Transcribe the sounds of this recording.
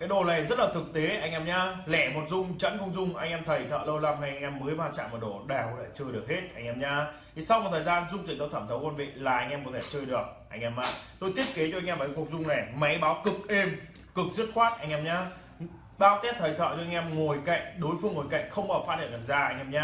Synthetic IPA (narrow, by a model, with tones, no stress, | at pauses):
kaː˨˦jɗo˨˩laː˨˩˨zə˦˥t̚laː˨˩t̪ʰɨ˨˩k̚t̪e˨˦ʔa˧jŋ̟ʔɛ˧mɲaː˧lɛ˧˩mo˨˩t̚zʊ˧ŋ͡mt͡ɕə̰˧˥nkə˧wŋ͡mzʊ˧ŋ͡mʔa˧jŋ̟ʔɛ˧mt̪ʰə˨˩jt̪ʰə̰ː˧˨lə˧wla˧mɦa˧jʔa˧ŋʔɛ˧mːəː˨˦jvaː˧t͡ɕa̰ː˧˨ŋmə˨˩ɗo˧˩ɗaː˨˩wla̰ː˧˨˩t͡ɕəː˧jɗɨ˨˩ək̚he˦˥t̚ʔa˧jŋ̟ʔɛː˧mɲaː˧t̪ʰi˨˩sa˧wma˨˩t̪ʰəː˨˩jzaː˧nzʊ˧ŋ͡mt͡ɕḭ˨˩ŋt̪o˧t̪ʰəː˧˩mt̪ʰə˨˦wkwə˧nvḛ˧˨laː˨˩ʔa˧jŋ̟ʔɛ˧mkɔ˨˦t̪ʰe˧˩t͡ɕəː˧jɗɨ˨˩ək̚ʔa̰˧jŋ̟ʔɛ˧ma̰ː˧˩t̪o˧jt̪ʰi˦˥ət̚ke˨˦t͡ɕɔ˧a˧jŋʔɛ˧mvaː˨˩˨ku˨˩ək̚zʊ˧ŋ͡mna˨˩jma˨˦jɓaː˨˦wkɨ˨˩k̚ʔe˧m | kɨ˨˩k̚zɨ˦˥ət̚xwaː˦˥t̚ʔa˧jŋ̟ʔɛ˧mɲaː˧ | ɓaː˨˦wt̪ɛ˦˥p̚t̪ʰə˨˩jt̪ʰə̰˧˨t͡ɕɔ˧a˧jŋ̟ʔɛ˧mŋo˨˩jka̰˧˨jŋ̟ɗo˨˦jfɨ˧əŋːo˨˩jka̰˧˨jŋ̟xə˧wŋ͡mʔəː˨˩faː˦˥hi˧˨ŋa˧˩zaː˧˩ʔa˧jŋ̟ʔɛː˧mɲaː˧